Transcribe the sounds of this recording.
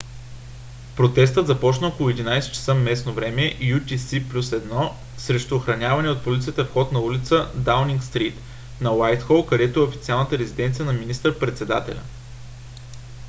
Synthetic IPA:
pɾot̪ɛst̪ət̪zɐpɔt͡ʃnəokolˠʊɛd̪inajsɛ̥t͡ʃɛ̥səmɛsnovɾɛmɛʔjut̪ʲisiplʲusɛd̪nɔ | sɾɛʃt̪ʊːxɾɐnʲavɐnɛot̪̚polʲit̪sijət̪əfxɔt̪nɐulʲit̪səd̪awniŋkst̪ɾit̪ | nɐwajt̪xɔlˠkɐd̪ɛt̪oɛofit̪sialˠnət̪əɾɛzid̪ɛnt̪sijənɐminist̪əɾpɾɛt̪sɛd̪a̰t̪ɛ̰lʲɐ̰

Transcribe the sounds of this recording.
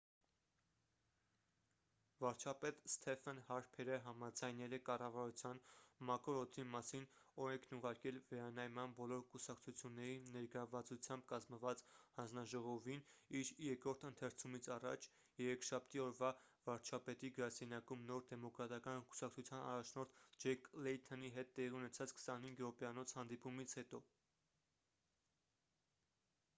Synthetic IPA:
vɑɾt͡ʃʰɑpɛt̪st̪ʰɛfɛnhɑɾpʰɛɾəɦɑmɑd͡zɑjnɛlɛkɑrɑvɑɾut͡sʰjɑnmɑkɔɾɔt̪ʰimɑsinɔɾɛŋkʰnuʁɑɾkɛlvɛɾɑnɑjmɑnbɔlɔɾkusɑkt͡sʰut͡sʰjunːɛɾinɛɾɡəɾɑvɑt͡sut͡sʰjɑmbkɑzməvɑt͡shɑnd͡znɑʒɔʁɔviniɾjɛkɾɔɾt̪ʰənt̪ʰɛɾt͡sʰumit͡sʰɑrɑ̰t͡ʃʰ | jɛɾɛkʃɑp̚ʰt̪iɔɾvɑ | vɑɾt͡ʃʰɑpɛt̪iɡəɾɑsɛnjɑkumnɔɾd̪ɛmɔkɾɑt̪ɑkɑnku̥sɑk̚t͡sʰut͡sʰjɑnɑ̰rɑt͡ʃʰnɔɾt̪ʰd͡ʒɛklɛjt̪ʰɔniɦɛt̪ːɛʁiunɛt͡sʰɑt͡skʰə̥sɑnhiŋɡɾɔpɛɑnɔt͡sʰhɑnd̪ipumit͡sʰhɛt̪ɔ

